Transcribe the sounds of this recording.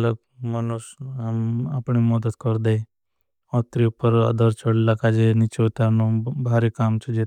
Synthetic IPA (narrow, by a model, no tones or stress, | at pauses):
mləb | mənusɦamapɳimɔd̪ət̪kɔɾd̪e | ɔt̪ɾiupːəɾa̰d̪ʱəɾt͡ʃəɽlakad͡ʒenit͡ʃet̪anobʱaɾekaːmt͡ʃʰed͡ʒe